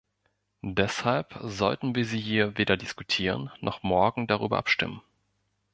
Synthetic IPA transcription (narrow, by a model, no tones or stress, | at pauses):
dɛshalpzɔltn̩viːɐziːɦiːɐveːdɐdɪskutʰiːʁ̞ənːɔχmɔɐɡŋ̩daʁ̞y̰ːbɐ̰ʔapʃtɪ̰mən